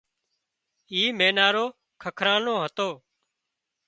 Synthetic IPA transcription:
iːmeːnaːɾoː | kʰəkʰɾãːnõːɦət̪oː

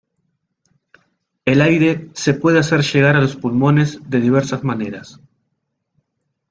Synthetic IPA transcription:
elajɾe̞se̞pwe̞ðease̞ɾʃe̞ɣ̞aɾalo̞spulmo̞ne̞zðe̞ðiβ̞e̞ɾsazmane̞ɾas

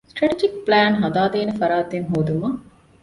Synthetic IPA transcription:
sʈɾɐʈid͡ʒik̚plæːnɦɐd̪aːd̪eːnefɐɾaːt̪eŋɦoːd̪umɐ

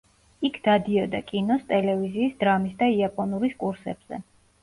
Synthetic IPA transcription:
ikʰd̪ad̪iɔd̪akʼinɔst̪ʼɛlɛviziːsd̪ɾamisd̪aiapʼɔnuɾiskʼuɾsɛ̰b̥z̥ɛ̰

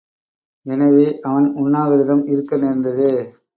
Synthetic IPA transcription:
ɛnɐʋeːʔɐʋɐnʊnːaːɣɐɾɯðɐmɪɾɯkːɐnɛɾnd̪ɐðɯ

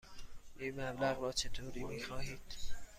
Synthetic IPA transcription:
ʔiːnmæblæɣɾɒːt͡ʃʰe̞t̪ʰoːɾiːmiːxɒːɦiːd̪̥

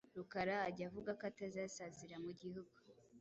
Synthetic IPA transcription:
ɾukaɾaːɟavuɡakatazasaziɾamuɟihuɡu

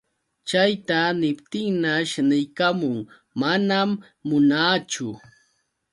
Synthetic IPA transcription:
t͡ʃajt̪anɪpt̪ɪŋnaʃnɪjkamʊŋ | manamː | ʊnaːt͡ʃʊ

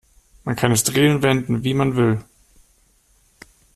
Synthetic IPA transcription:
mænkʰænəsd̥ʁiːʊnʋend̥n̩ʋimænʋø

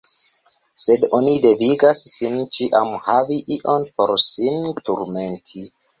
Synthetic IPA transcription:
sedonide̞viɡasːint͡ʃiʔamhaviʔiʔo̞npo̞̰ɾsintuɾme̞ntʰi

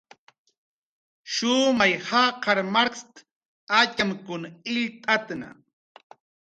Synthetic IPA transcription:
ʃʊmajhaqɑɾmaɾkst̪ | at͡ʃamkʊnaɪʎt̪ʼat̪na̰

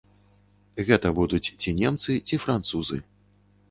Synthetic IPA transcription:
ɣɛt̪ɐbud̪ut͡sʲt͡sʲinʲɛmt̪sɨt͡sʲifɾant̪suzɨ̰

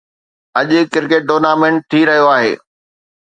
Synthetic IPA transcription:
ɐʄʊkɪɾkeːʈ̚ɖoːnaːmẽːɳʈ̚ʈ̪ʰiːɾɐɦijoaːɦḛː

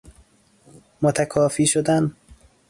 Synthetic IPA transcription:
mot̪ʰækʰɒːfiːʃod̪æn

